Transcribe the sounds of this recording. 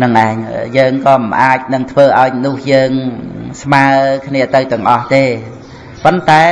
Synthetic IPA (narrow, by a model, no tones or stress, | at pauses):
nɨŋʔaɛɲjəːŋkɑːmɨnʔaːc̚nɨŋt̪ʰʋəːʔaɔjnʊ̆əhjəːŋsmaəkʰniət̪ɨwt̪ɛ̆əŋʔɑht̪eː | pont̪aɛ